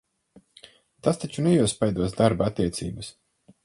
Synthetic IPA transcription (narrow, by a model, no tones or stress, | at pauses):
t̪ast̪at͡ʃunɛjuɔspajd̪uɔsd̪aɾbaat̪ːiɛt̪sḭːbəs